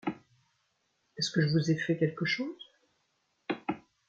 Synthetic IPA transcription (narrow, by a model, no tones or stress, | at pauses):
ɛskəʒəvuzɛfɛkʲɛlkəʃoːz